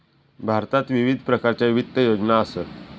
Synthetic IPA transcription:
bʱaɾt̪at̪ʋiʋid̪ʱpɾəkaɾt͡ɕjaiʋit̪ːəjod͡ʑnaəsət̪

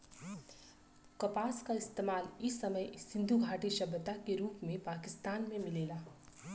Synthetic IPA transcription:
kɐpaːskaɪst̪eːmaːlɪsːɐməjsɪ̃nd̪ʱuɡʱaːʈiʃɐbət̪akeɾuːpmẽpaːkɪst̪aːnmẽmɪleːlaː

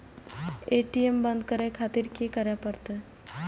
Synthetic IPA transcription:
eʈiembənd̪̚kəɾekʰat̪iɾkekəɾjapəɾt̪ə

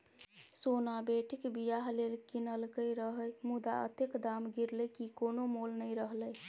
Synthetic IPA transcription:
sonabeʈikbijaɦlelkinəlkəjɾəɦəjmud̪a̰ə̰t̪ekd̪amɡiɾləkikonomolnəjɾəɦləj

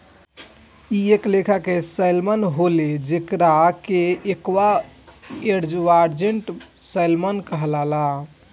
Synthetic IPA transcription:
ieklekʰakesəjlmənɦoled͡ʒekɾakeekʋa | eɾd͡ʒʋaɾd͡ʒeɳʈ | səjlmənkəɦəlala

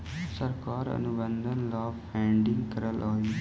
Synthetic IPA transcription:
səɾkaːɾə̰nubə̃nd̪ʱənlaːbpɛ̃ːɳɖɪŋɡkəɾəlʔaːiː

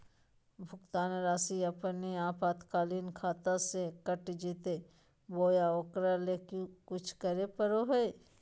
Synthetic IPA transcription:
bʱʊkt̪aːnɾaːsiɐpniaːpʰaːt̪kaːliːnkʰaːt̪asekəʈd͡ʒiːt̪e | boːjaoːkɾaleːkukʊt͡ʃʰkəɾepəɾoɦəe

